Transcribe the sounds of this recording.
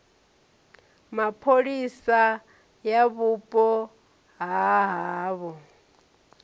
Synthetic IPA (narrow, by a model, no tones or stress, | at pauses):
mapʰoɺisa | jaβupʼɔ | ɦaɦaːβɔ